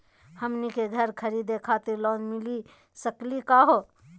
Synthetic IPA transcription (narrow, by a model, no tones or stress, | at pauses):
həmnikeɡʱəɾkʰəɾid̪ekʰat̪iɾlɔːnmili | səklikaɦo